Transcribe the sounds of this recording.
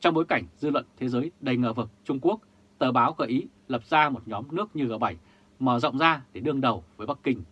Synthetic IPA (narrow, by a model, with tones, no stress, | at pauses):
t͡ɕɔ˧wŋ͡mɓo˨˦jka˧˩jŋ̟zɨ˧lwə̰˧˨nt̪ʰe˨˦zəː˨˦jɗə˨˩jŋəː˨˩vɨ˨˩k̚t͡ɕʊ˧ŋ͡mku˦˥ək̚ | t̪əː˨˩ɓaː˨˦wxəː˧˩ʔi˨˦ | lə˨˩p̚zaː˧mo˨˩t̚ɲɔ˨˦mnɨ˦˥ək̚ɲɨ˧ɣəː˧˩ɓa˧˩j | məː˨˧˩zɔ̰˧˨wŋ͡mzaː˧ɗe˧˩ɗɨ˧əŋɗə˨˩wvəː˨˦jɓa˦˥kkï˧ŋ̟